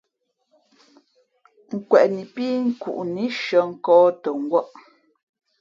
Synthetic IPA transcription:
ŋ̩˦˨kwɛ˨ʔni˨piː˦ŋ̩˦kṵ˨ʔni˦ʃə˨˦ŋ̩˦kɔː˦tə˨ŋ̩˨˦ɡwɔ˦ʔ

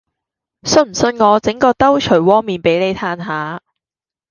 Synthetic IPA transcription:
sɵ˥˧nm̩˨˩sɵ˧nŋɔː˨˧t͡sɪ˨˥ŋkɔː˧t̪ɐ˥wt͡ʃʰɵ˨˩jwɔː˥ŋmiː˨˧npe˨˥jle˨˧jt̪ʰaː˧nɦaː˨˧

